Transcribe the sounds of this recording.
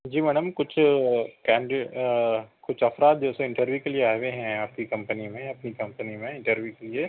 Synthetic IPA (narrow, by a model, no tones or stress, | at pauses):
d͡ʒiːmɛːɖəmkʊt͡ʃʰkɛ̃ːɳɖ | kʊt͡ʃʰɐfɾaːt̪̚d͡ʒosẽɪ̃ɳʈəɾʋjukelieaːʋeɦɛ̃aːp̚kikɐ̃mpənimẽɐpnikɐ̃mpənimẽɪ̃ɳʈəɾʋjukelie